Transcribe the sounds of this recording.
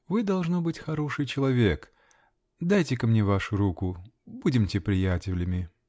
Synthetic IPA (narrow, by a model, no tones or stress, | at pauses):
vɨd̪ɐlˠʐnobɨtʲxɐɾo̞ʂɨjt͡ɕɪlˠɐvʲe̞k | d̪ajtʲɪkɐmnʲevaʂʊɾukʊbudʲɪmtʲɪpɾʲɪjætʲɪlʲɪmʲɪ